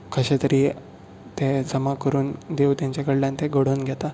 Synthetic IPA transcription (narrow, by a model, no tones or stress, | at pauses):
kʰəɕet̪əɾiː | t̪ed͡zəmakəɾuːnd̪ewt̪jãɲt͡ɕakəɽljãnt̪ʰẽɡəɽ̤oːnɡʱjɛt̪a